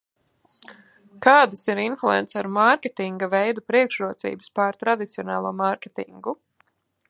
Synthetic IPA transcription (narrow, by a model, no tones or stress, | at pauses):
kɑːd̪asiɾinflˠuɛnt̪saɾmaɾkʲet̪iŋɡavɛjd̪upɾiɛkʃɾuɔt̪sḭːbəspaɾt̪ɾad̪it̪siɔnɑːlˠuɔmaɾkʲet̪ḭŋɡu